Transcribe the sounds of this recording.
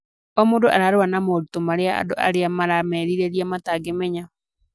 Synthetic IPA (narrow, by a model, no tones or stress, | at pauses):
ɔmoːndoʔaɾaːɾewanamoɾutomaɾeaa̰do̰ʔa̰ɾeamaɾamɛːɾiɾeɾiamataɡemɛɲa